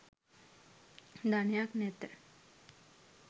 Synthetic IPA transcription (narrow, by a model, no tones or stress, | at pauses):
d̪ʱanjaːknet̪ə